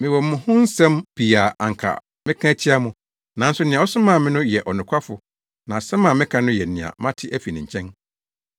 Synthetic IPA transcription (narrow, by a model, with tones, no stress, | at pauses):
mɪ̃˨wɔ˨mʊ̃˨hʊ̃˦n̩˦sɛ̃˦mpi˨a˨ʔa˨ŋ̩˨kʰa̰˨ | mɪ̃˦kʰã˦t͡ɕʰɪ˦a˦mʊ̃˨ | nã˨˦n̩˦sʊ˦nɪ̃˨a˨˦ɔ˦sʊ˦mã˦˨mɪ̃˦nʊ̃˦jɛ˨ʔɔ˨nʊ̃˨kʷʰa˦fʊ˨ | nã˨sɛ̃˦mã˨mɪ̃˦kʰã˦nʊ̃˦jɛ˨nɪ̃˨a̰˨mã˦tʰɪ˦ʔæ˦fi˨nɪ̃˨ɲ̩ʰ˨ɛ̃˦n